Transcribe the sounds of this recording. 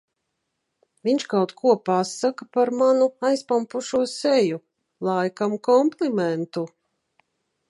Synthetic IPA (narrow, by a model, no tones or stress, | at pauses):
viɲʲt͡ʃkawt̪kʰuɔpasːakapaɾmanuajspampuʃuɔsɛju | lˠajkamkɔmplimɛnt̪u